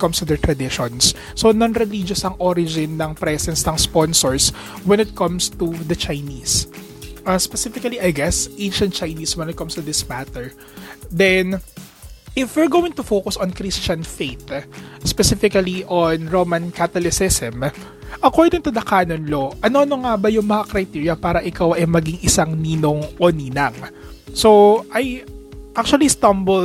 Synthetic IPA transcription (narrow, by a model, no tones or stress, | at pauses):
t̪̚kɐ̃mst̪ud̪ɛɹt̪ɾɐd̪ɪʃɔnsː | onɔnɾɛlid͡ʒɔsɐŋʔɔɾɪd͡ʒɪnːɐŋpɾɛsɛnsnɐŋspɔnsɔɹs | wɛ̃nɪt̪̚kɐ̃mst̪ud̪ɐt͡ʃajnis | ʔɐspɛsɪfɪkɐliʔɐjɡɛsʔẽɪnʃɐnt̪̚t͡ʃɐjniːswɛnɪt̪̚kɐmst̪ud̪ɪsmat̪ɛɹ | d̪ɛn | ʔɪfwɛɹɡowɪ̃ŋt̪ʊfowkʊsɔ̃nkɾist͡ʃɐnfeɪt̪spɛsɪfɪkɐliʔonɹomɐ̃nkat̪ɐlɪsɪsɛm | ʔɐkoɹd̪ɪɡ̚t̪ʊd̪ɐkaːnonloʔɐnoʔɐnoŋabɐjʊŋmɐŋakɾɐjt̪iɹjɐpaːɾɐʔɪkawʔɐjmɐɡɪŋʔɪsaŋniːnoŋʔoniːnɐŋ | soʔɐjʔak̚t͡ʃuɐlist̪ɐ̃mbɔl